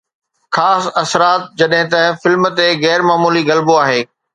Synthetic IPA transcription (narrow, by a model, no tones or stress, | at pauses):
xaːsɐsɾaːt̪̚d͡ʑɐɗɦɪ̃t̪ɐ̃fɪlm̆t̪eɣɛːɾmaːmuːliɣɐlboaːɦeː